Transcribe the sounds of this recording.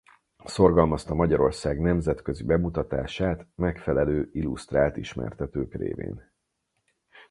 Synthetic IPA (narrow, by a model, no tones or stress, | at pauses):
so̞rɡɒlmɒst̪ɒmɒɟɒɾo̞rsaːɡnɛmzɛt̪kø̞zibɛmut̪ɒt̪aːʃaːt̪mɛkfɛlɛløːilust̪raːlt̪iʃmɛ̰rt̪ɛt̪øːkrḛːvḛːn